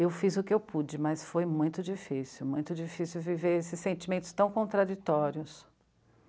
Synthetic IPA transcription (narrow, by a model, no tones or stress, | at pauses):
ewfizʊkɪewpud͡ʒɪmɐsfojmũj̃t̪ʊd͡ʒifisiwmũj̃t̪ʊd͡ʒifisiuwviveɾesɪsːẽnt͡ʃimẽnt̪ʊ̥st̪ɐ̃w̃kõnt̪ɾad͡ʒit̪ɔɾiʊs